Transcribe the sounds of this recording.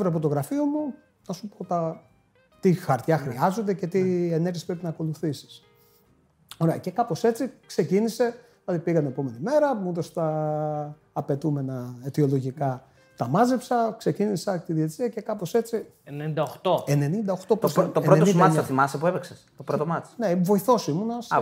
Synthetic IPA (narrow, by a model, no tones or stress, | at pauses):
vɾoɐp̬ot̪o̞ɣɾɐfio̞mu | nɐsupot̪ɐ | t̪ixɐɾt̪çɐxɾiɐzo̞nd̪e̞ce̞t̪ie̞neɾʝespɾe̞pinɐːko̞luθisi̥s | o̞ɾeɐ̰ce̞kɐpo̞se̞t͡sikse̞cinise̞ | ilɐðipiɣɐneepo̞me̞nime̞ɾɐut̪o̞st̪ɐː | pe̞t̪ume̞nɐet̪io̞lo̞ʝikɐ | t̪ɐmɐzepsɐkse̞cinisɐt̪iðiet͡siɐce̞kɐpo̞se̞t͡si | enenind̪ɐoxt̪oene̞nind̪ɐo̞xt̪o̞post̪opoomɐsɐθimɐsepuepeksest̪opɾot̪omɐt͡snevo̞iθo̞simunɐs